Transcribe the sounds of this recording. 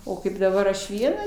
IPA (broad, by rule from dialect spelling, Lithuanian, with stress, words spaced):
oː ˈkɐɪp dɐˈbɐr ɐʃ ˈʋʲiɛnɐ